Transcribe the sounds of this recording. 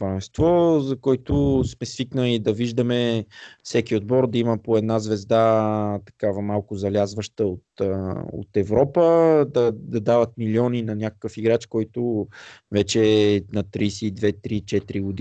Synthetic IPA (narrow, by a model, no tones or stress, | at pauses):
ɐɛst̪vɔzɐkɔjt̪ʊsmɛsviknəlid̪ɐviʒd̪əmɛfsɛkʲiod̪̚bɔɾd̪ɐiməpoɛd̪nazvɛzd̪at̪ɐ̥kavɐmalˠkʊzɐlʲazvəʃt̪əot̪o̰t̪ɛvɾɔpəd̪ɐd̪ɐd̪avət̪̚miliɔninɐnʲakə̥kəfiɡɾat͡ʃkɔjt̪ʊvɛt͡ʃɛnɐt̪ɾisid̪vɛt̪ɾit͡ʃɛt̪ɾiɡʊd̪